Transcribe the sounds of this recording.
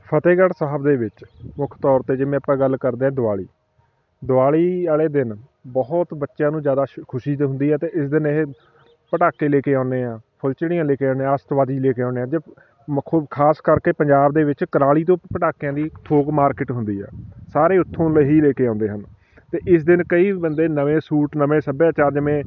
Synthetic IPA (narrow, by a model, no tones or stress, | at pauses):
pʰət̪eːɡəɽsaːɦəbd̪eːʋɪt͡ʃmʊkʰt̪ɔːɾt̪eːd͡ʒɪʋẽːəpːɛ̃ːɡəlkəɾd̪eːãːd̪ʊaːɭḭː | d̪ʊaːɭiːaːleːd̪ɪn | bɔɦʊt̪bətːʃãːnũːzjaːd̪aːkʰʊʃiːd̪ɦʊ̃nd̪iːɛːt̪eːʔɪsd̪ɪneɦeː | pəʈaːkẽːleːkeːãːʊneːãːpʰʊlt͡ʃɽɪjãːleːkeːãːneːãːst̪ʋaːd̪iːleːkeːãːneːãːd͡ʒeː | kʰaːskəɾkeːpəɲd͡ʒaːbd̪eːʋɪt͡ʃkəɾaːɭiːt̪̬õːpəʈaːkjãːd̪iːt̪ʰoːɡmaːɾkɪʈɦʊnd̪iːɛ̰ːsaːɾeːʊt̪ʰːõːləɦiːleːkeːãːnd̪eːɦən | t̪eːʔɪs̬d̪ɪnkəiːbənd̪eːnəʋẽːsuːʈnəʋẽːsəbãːt͡ʃaːd͡ʒəmẽː